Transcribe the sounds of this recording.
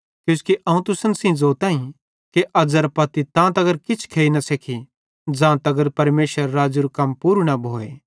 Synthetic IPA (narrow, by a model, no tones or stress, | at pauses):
kjũːskiʔɐũt̪ʊsənsĩd͡zoːt̪ãːĩ | keʔɐzəɾpɐt̪it̪ãːt̪ɐɡəɾkɪt͡ʃʰkʰeːinɐsekʰi | d͡zãːt̪ɐɡəɾpɐɾmeːʃəɾːaːd͡ʒuɾukɐmpuːɾnɐbʱoːḛː